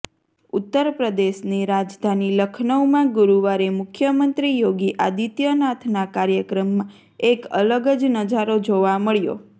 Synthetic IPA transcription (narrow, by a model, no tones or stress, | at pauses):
ut̪ːəɾpɾəd̪eʃniɾad͡ʒd̪ʱaniləkʰnəwmãɡʊɾuʋaɾemʊkʰjəmənt̪ɾijoɡiʔad̪it̪jənat̪ʰnakaɾjəkɾəmːã | ekə̰ləɡəd͡ʒnəd͡ʒaɾod͡ʒoʋaməɭjo̰